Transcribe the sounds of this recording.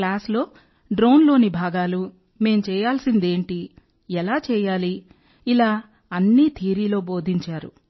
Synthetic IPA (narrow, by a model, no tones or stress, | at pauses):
klaːslo̞ː | ɖɾoːnlo̞ːnibʱaːɡaːlu | me̞ːmt͡ʃɛːjaːlsind̪e̞ːɳʈi | ɛlaːt͡ʃɛːjaːli | ilaː | ɐnːit̪ʰiːɾiːlo̞ːbo̞ːd̪ʱiɲt͡ʃaːɾṵ